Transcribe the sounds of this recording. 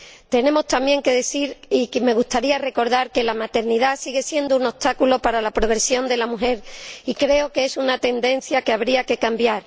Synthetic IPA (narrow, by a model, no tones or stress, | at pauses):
t̪e̞nẽ̞mo̞st̪amje̞ŋke̞ðeθiɾikme̞ɣ̞ust̪aɾiare̞ko̞ɾðaɾke̞lamat̪e̞ɾniðasiɣe̞sje̞nd̪ouno̞t̪akulo̞paɾalapɾo̞ɣ̞ɾe̞sjo̞nd̪e̞lamuɦe̞ɾikɾe̞okeesunat̪e̞nd̪ẽ̞n̟θjake̞aβ̞ɾiake̞kambjaɾ